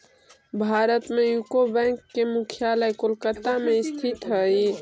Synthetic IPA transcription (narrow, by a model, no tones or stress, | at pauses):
bʱaːɾət̪mejukobɛ̃ŋkːemukʰjaləjkolkət̪ameɪst̪ʰit̪ɦəi